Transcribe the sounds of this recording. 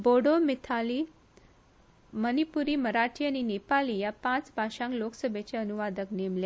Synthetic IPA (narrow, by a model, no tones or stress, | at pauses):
boɽomit̪ʰali | mənipuɾiːməɾaʈʰianinepalijapãt͡sbʱaɕãŋkloksəbʱet͡ɕeənuʋad̪əknemle